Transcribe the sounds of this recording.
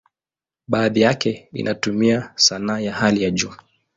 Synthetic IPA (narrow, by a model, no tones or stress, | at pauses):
ɓaːðijakɛḭnʔatumiasanaːjahalijaʄuː